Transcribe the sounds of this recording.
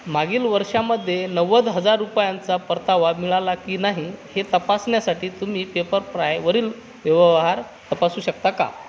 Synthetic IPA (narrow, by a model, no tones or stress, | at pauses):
maɡiːlʋəɾʂaməd̪ʱːjenəʋəd̪ɦəd͡zaɾːupjant͡sapəɾt̪aʋamiɭalakiːnaɦihet̪əpasɳjasaʈiːt̪um̤iːpepəɾpɾajʋəɾiːl | ʋjəʋɦaɾ | t̪əpasuːɕək̚t̪aka̰